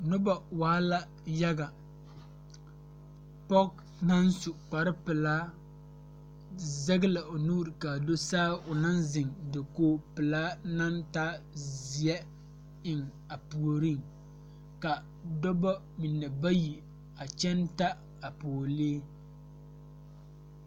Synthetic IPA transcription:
nʊ˦ba˨waː˨˦la˦ | ja˦ɡa˨ | pɔ˦k̚ | na˦nsu˨k͡pa˨ɾɪ˦pɪ˨laː˦ | zɛ˦ɡɪ˦la˨ʔo˨nuː˦ɾɪ˨ka˨do˦saː˦ʊ˨na˦nzɪ˨ŋdɪ˨koː˦˨pɪ˨laː˦na˦ntaː˦zi˨ɛ˦ | ɪ˦˨ŋ | a˨pu˨o˨ɾi˦ŋ | ka˨ | dɔ˦ba˦ | mi˨nːɛ˨ba˦ji˨ | a˨t͡ʃɛ˦nta˦ | a˨po˨o˨leː˦

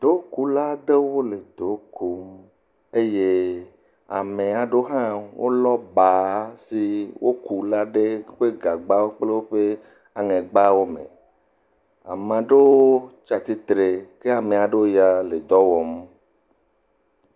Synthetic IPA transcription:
d̪̥o˨˦ku˦la˦ɖe˦wo˦le˨d̪o˨˦ko˨m | e˦je˦ | a̰˨mẽ˨a˨ɖo˦ɦã˦wʔo̰˦lɔ˦ba˨si˨wʔo˦ku˨la˦ɖe˦ɸe˦ɡa˨ɡ͡ba˦wo˦k͡ple˦wo˦ɸe˦ | a˨ŋẽ˨ɡ͡ba˦wo˦mḛ̃˨ | a̰˨mã˨ɖe˦wo˦t͡ʃa˨t̪i˦t̪ɾe˨ke˦a˨me˨a˨ɖe˦wo˦ja˦le˨d̪ɔ˦wɔ˨m˦

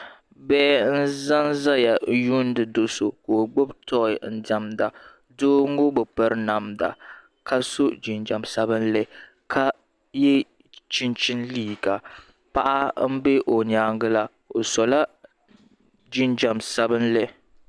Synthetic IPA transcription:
bɛː˦n̩˦za˦nza˦ja˨ju˦n˦dɨ˨do˨so˨koː˨ɡ͡bo˦btɔ˦ɪ˨n̩˦da˨mda˨ | doː˦ŋ˦ɡo˦bɨ˨pɨ˦ɾɨ˦na˨mda̰˨ | ka˦so˦d͡ʒi˨nd͡ʒa˨msa˦bɨ˦nlɛ˦ | kʰa˦ | jɛ˦ | t͡ʃi˦nt͡ʃi˦nliː˦˨ɡa˨ | pa˦ʔa˦m̩˦be˦ʔo˨ɲaː˦ŋ˦ɡɨ˦la˦ | o˨sɔ˨la˦ | d͡ʒi˦nd͡ʒa˨msa˦bɨ˦nlɛ˦

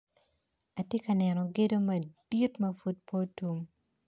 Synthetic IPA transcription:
a˨tje˦ka˨nɛ˨nɔ˨ɡe˦do˦mɐ˨di˦tmɐfu˦t̚pʰo˦tu˦m

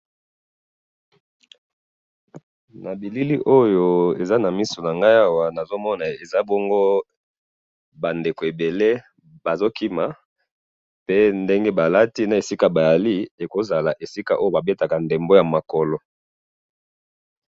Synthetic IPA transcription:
na˨bi˨li˦li˦ʔo˦jo˨e˨za˦na˨mi˦so˨na˨ŋɡa˦ja˦wa˨na˨zo˦mɔ˦na˨e˨za˦bo˦ŋɡo˦ | ba˨nde˨ko˨e˨be˨le˦ | ba˨zo˦ki˦ma˨ | pe˦nde˦ŋɡe˦ba˨la˦ti˦na˨e˨si˦ka˨ba˨ja˨li˦e˨ko˨za˨la˨ʔe˨si˦ka˦ʔo˦jo˦˨ba˨be˦ta˨ka˨nde˨mbo˦ja˨ma˨kɔ˨lɔ˨

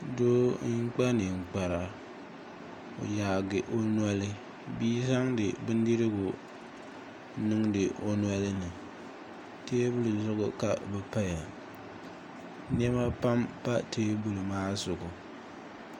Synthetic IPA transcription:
do˦ŋ̩˦k͡pa˦nɨ˨ŋ͡m̩˨k͡pa˨ɾa˨ | o̰˨jaː˨ɡɪ˨ʔo˦n˦a˦lɨ˦ | biː˦za˦ŋdɨ˨bɨ˦n˦di˦ɾɨ˦ɡʊ˨ | nɨ˦ŋdɨ˨o˨nwa˦lɨ˦nɨ˨ | teː˦bʊ˦lɨ˨˦zʊ˦ɣʊ̰˦ka˨bɛ˨pa˦ja˨ | n˦ɛ˦ma˦pa˦mpa˦tʰeː˦bu˨lɨ˨maː˦sʊ˨ɡʊ˨

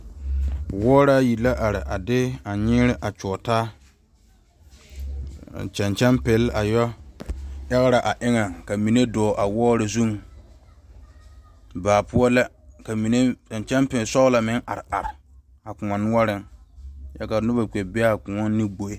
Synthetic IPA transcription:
wɔː˦ɾa˦ji˨la˦ʔa˨ɾɪ˨ʔa˨dɪ˦a˨ɲɪː˦ɾɪ˦ʔa˨t͡ʃɔː˨taː˦˨ | t͡ʃa˨nt͡ʃɛ˦npe˨˦la˨jɔ˦ | ɛ˦ɣɪ˦ɾa˨ʔa˨ʔɪ˦ŋa˨ŋka˨mi˨ne˦dɔː˨ʔa˨wɔː˦ɾɪ˨zu˦ŋ | baː˨pʊ˦ɔ˦la˦ | ka˨mi˨ne˦t͡ʃa˨nt͡ʃɛ˦mpɪ˨lsɔ˦la˨mɪ˦ŋʔa˨ɾɪ˨a˨ɾɪ˨ | a˨kʊ˨a˨nʊ˦ɔ˦ɾɪ˦ŋja˦ka˨nʊ˦ba˨ke˨bɛ˦a˦˨kʊ̃˨ŋɔ˦ni˦ɡ͡bo˨e˦

